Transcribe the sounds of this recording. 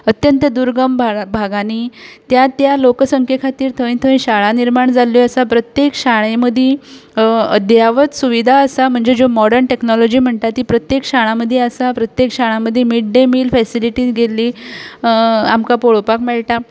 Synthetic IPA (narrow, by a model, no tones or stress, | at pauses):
ət̪jənt̪əd̪uɾɡəmbbʱaɡaniːt̪jat̪jalokəsəŋkʰekʰat̪iːɾt̪ʰəʋĩnt̪ʰəʋĩɕaɭaniɾmaɳd͡zaloəsapɾət̪jekɕaɭeməd̪ʱje | əd̪jaʋət̪suʋid̪ʱaəsam̤əɳd͡zed͡zomɔɽəɾɳʈeknɔlɔd͡ʑiːm̤əɳt̪at̪ːiːpɾət̪jekɕaɭ̃aməd̪ʱːjeəsapɾət̪jekɕaɭ̃aməd̪ʱːjemiɽɖemiːlfɛsiliʈiːɡelːiː | amkapoɭopakmɛɭʈa